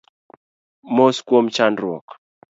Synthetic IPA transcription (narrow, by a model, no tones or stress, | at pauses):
moskwomt͡ʃanɾwɔ̰k